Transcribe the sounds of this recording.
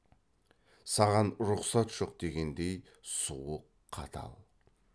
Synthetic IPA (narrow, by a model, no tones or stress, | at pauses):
sɑʁɑnɾʊqsɑt̪ʒ̥o̞q̚d̪̥e̞ɡʲe̞nd̪e̞j | suwəqʰːɑt̪ʰɑ̰lˠ